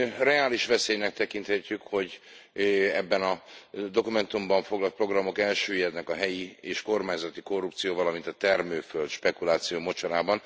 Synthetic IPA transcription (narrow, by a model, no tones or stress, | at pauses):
rɛaːliʃʋɛseːjnɛk̚t̪ɛkint̪hɛcːykho̞ɟ | ɛbːɛnɒd̪o̞kumɛnt̪umbɒɱfo̞ɡlɒlt̪̚pro̞ɡrɒmo̞kɛlʃøːjɛd̪nɛkɒɦɛjieːʃko̞rmaːɲzɒt̪iko̞rːup̚t̪sijoːvɒlɒmint̪ɒt̪ɛrmøːfølt̪ʃpɛkulaːt̪sijoːmo̞t͡ʃɒɾaːbɒn